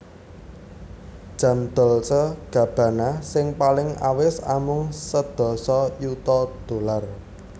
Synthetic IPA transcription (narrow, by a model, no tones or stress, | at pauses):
d̥ʒ̥ä̤md̪̥ɔ̤lsəɡ̥ä̤b̥ä̤nasɪŋpalɪŋa̰wɪsa̰mʊŋsəd̪̥ɔ̤sɔjut̪ɔd̪̥o̤lar